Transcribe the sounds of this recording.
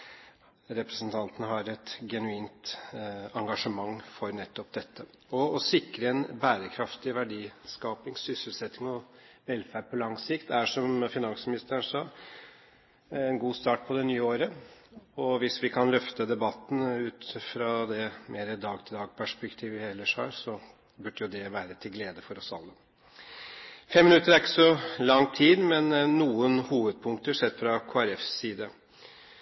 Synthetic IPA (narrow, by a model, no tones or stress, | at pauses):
ɾɛpɾəsnt̪ʰɑnt̪ənəɦɑɾɛt̪ɡɛnʉiːnt̪ | ɑŋɡɑʂəmɑŋːfɔɾnɛt̪ːɔp̚d̪ɛt̪ːə | ɔːsɪkːɾəɛnbæːɾəkʰɾɑft̪ɪʋæɖiːskɑːpɪŋsʏsəl̩sɛt̪ːɪŋɔʋɛlfæːɖpʰɔlɑŋsɪkt̪æʂɔmfɪnɑnsmɪnɪst̪əɳʂɑː | ɛnɡuːst̪ɑːʈ̚pʰɔd̪ɛnyːəoːɾə | ɔʋɪsʋɪkʰɑnlœft̪əd̪ɛbɑt̪ːn̩ʉːt̪fɾɑd̪ɛmeːɾəd̪ɑːɡt̪ʰɪld̪ɑːɡpʰæʂpɛkt̪ʰiːʋʋɪhɛlːəʂhɑ̰ːɾsɔ | bʉɖjʊd̪ɛʋæːɾət̪ʰɪlɡleːd̪əfɔɾɔsɑ̰lːə | fɛmːɪnʉt̪ːəɾæɾɪkːə̥sɔlɑŋːt̪ʰiːd̪mɛnːuːənhuːʋəd̪̚pʰʊŋk̚t̪əʂɛd̪fɾɑkʰoːæɾɛfsiːd̪ə